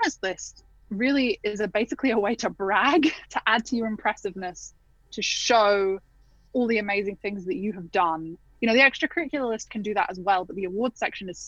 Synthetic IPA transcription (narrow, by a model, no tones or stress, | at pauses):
məslɪst | ɹɪlˠiɪzəbeɪsɪkʰliəweɪtʰəbɹaɡtʰəʔad̚tʰɨjə˞ɨ̃mpʰɹ̥ɛsɨvnəs | tʰɨʃoʊ | ɔlˠðiɨmeɪzɪ̃ŋθɪ̃ŋzðɨt͡ʃɨːvdʌ̃n | jɨnoʊðiɛkstɹ̥əkʰə˞ɹɪkjl̩ˠəlɪst̚kʰɨ̃ndɨðə̰ɾəzwɛlˠbʌt̪̚ðiəwɔːd̥sɛkʃə̃nɨz̥